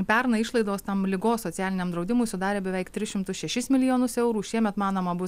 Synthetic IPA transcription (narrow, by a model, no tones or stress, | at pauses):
pʲɛɾnɐɪʃlˠɐɪd̪oːst̪ɐmlʲɪɡoːssoːt͡ssʲæːlʲɪnʲeːmd̪ɾɒʊd̪ʲɪmʊːɪsʊd̪ɑːɾʲeːbʲɛʋʲɛɪkt̪ʲɾʲɪsʃʲɪmt̪ʊsʃʲɛʃʲɪsmʲɪlʲɪjoːnʊsɛʊɾuːʃʲiɛmʲɛt̪mɑːnoːmɐbʊ